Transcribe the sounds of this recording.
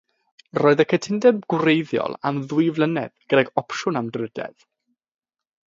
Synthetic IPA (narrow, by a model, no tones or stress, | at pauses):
rɔːɨðəkʰətʰɪndɛb̚ɡ̥wrejðjɔ̰lˠamðʊɨvlˠənɛðɡ̥ədɛɡɔpʃʊnamdrədɛ̰ð̥